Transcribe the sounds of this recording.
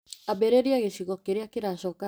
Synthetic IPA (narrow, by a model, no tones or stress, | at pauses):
abɛɾeɾiaɣesiɣɔkeɾeakeɾaɕɔːka